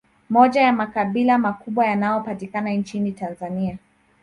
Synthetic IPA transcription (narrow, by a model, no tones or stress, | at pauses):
mɔʄajamakaɓilamakuɓwajanajɔpatikanant͡ʃinitanzania